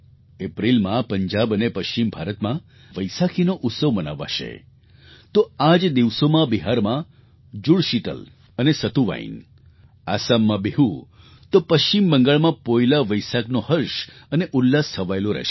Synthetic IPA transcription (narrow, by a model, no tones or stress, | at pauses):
epɾilmãpəɲd͡ʒabənepəʃt͡ʃimbʱaɾət̪mã | ʋəjsakʰinoʔʊt̪səʋməna̰ʋa̰ʃḛ | t̪oad͡ʒd̪iʋsomãbiɦaɾmã | d͡ʒuɽʃit̪ə̰l | ənesət̪uʋa̰ḭn | asamːãbeɦu | t̪opəʃt͡ʃimbəŋɡəɭmãpojlaʋəjsaknohəɾʃəneʔʊlːast̪ʰəʋajloɾɛ̰ʃe